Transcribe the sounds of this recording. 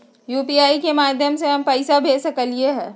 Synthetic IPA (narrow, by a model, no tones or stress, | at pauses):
juːpiaːikemaːd̪ʱjəmseɦɐmpɐɪsabʱeːsɐkəlieɦɛ̃ː